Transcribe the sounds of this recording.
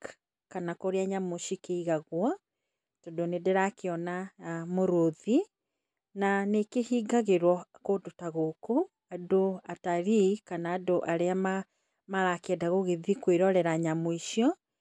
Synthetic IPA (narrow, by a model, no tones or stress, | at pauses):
k | kanakoɾeaɲamoʃikeiɣaɣwɔ | tɔdonedeɾakeɔnamoɾoði | nanekehiːɡaɣeɾwɔkodotaɣoko | adoataɾikanaːdoʔaɾeama | maɾakɛdaɣoɣeðikweɾɔɾɛɾaɲamoiʃiɔ